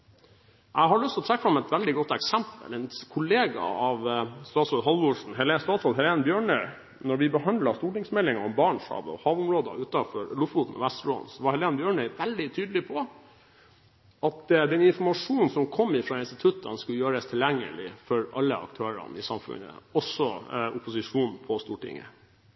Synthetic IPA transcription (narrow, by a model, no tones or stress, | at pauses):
ʔæɪɦɑɭʉst̪ɔt̪ʰɾɛkːəfɾɑmɛt̪ʋæld̪ɪɡɔt̪ːɛksæmpə̰lɛnkʰʊleːɡɑ̰ɑʋst̪ɑːt̪sɔɦɑlʋʊʂn̩ɦɛlest̪ɑːt̪sɔlɦɛleːnbjøːɳœʏ | nɔɾʋɪbəhɑnd̪lɑst̪uːʈɪŋsmɛlːɪŋɑɔmbɑːɳʂhɑ̰ːʋəɔ̰hɑːʋʊmɾoːd̪ə̰ʉːt̪ɑfɔɾlʊfuːt̪n̩ɔ̰ʋæst̪lo̰ːnsɔʋɑɾhɛleːnbjøːɳœʏʋɛld̪ɪt̪ʰyːd̪əlɪpʰɔ | ɑt̪d̪ɛnɪnfɔmɑʂuːnn̩sɔmkʰɔmːɪfɾɑːɪnst̪ɪt̪ʰʉt̪ːɑnskʉləjøːɾəst̪ʰɪljæŋːə̰lɪ̰fɔɾɑlːə̰ɑ̰k̚t̪ʰøːɾɑ̰nɪsɑmfʉ̰nə̰ɔsɔʊpʊsɪʂuːnpʰɔst̪uːʈɪ̰ŋːə̰